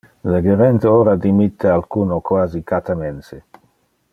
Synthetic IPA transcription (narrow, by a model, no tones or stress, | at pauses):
leɡeɾent̪eoːɾad̪imit̪ʰːealkuːnokwaːzikat̪amense